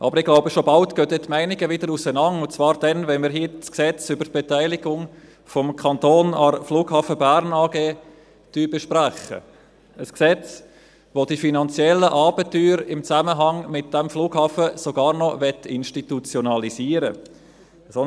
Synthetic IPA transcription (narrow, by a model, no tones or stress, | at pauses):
ʔɑ̰bəɾɪɡ̥laʊbəʃobɑlt̪ɡ̥øːdɛːtmæɪnɪɡəvɪdəɾusənɑnʊnt͡svɑːɾdɛnvɛnməɾɦiːt͡sksɛt͡sʏbət̚b̥etæɪlɪɡʊŋ | fɔmkʰɑnt̪oːnɑrfluːɡhɑːfəbæɾnɑːɡ̥eː | d̥yːbeʃpɾæχə̰ | əsksɛt͡s | ʋod̥ifinɑnt͡sjɛlːəʔɑːbətːyːɾɪmt͡sæməɦɑŋmɪt̚d̥ɛmfluːɡ̥hɑːfəsoɡɑːɾnɔvɛtɪnʃtitut͡sjonɑlisiːəɾə | son